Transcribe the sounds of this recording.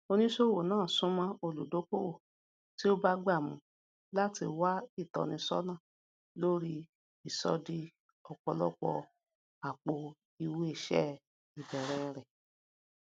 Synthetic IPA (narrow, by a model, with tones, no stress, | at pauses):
o˧nĩ˦ʃo˦˨wo˨nãː˦˨sũ˨˦mã˧˦o˧lu˨do˨˦ko˦wo˨ | ti˦o˦ba˦ɡ͡ba˦˨mũ˨˦ | la˦ti˧wa˦i˦˨tɔ̰˨nĩ˧sɔ̰˦nã˦˨ | lo˦ɾi˧˦ | i˦˨sɔ̰˧˦di˦ | ɔ˧k͡pɔ˧lɔ˦k͡pɔ̰˧ | a˨k͡po˧ | i˧we˦i˦˨ʃɛ̰˦ | i˨bɛ˨ɾɛ˨˦ɾɛ˨